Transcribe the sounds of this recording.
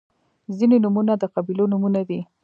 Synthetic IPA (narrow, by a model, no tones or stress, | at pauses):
zinenumunad̪əqabilonumunad̪i